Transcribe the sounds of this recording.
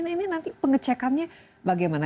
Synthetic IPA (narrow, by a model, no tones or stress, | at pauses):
nːninant̪ipəŋət͡ʃɛkanɲa | baɡajmana